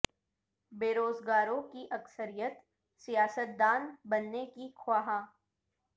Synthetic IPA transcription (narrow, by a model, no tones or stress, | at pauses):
beːɾoːzɡaːɾõkiʔɐksəɾijət̪ | sijaːsət̪̚d̪aːnbɐnːekixʰwaːɦãː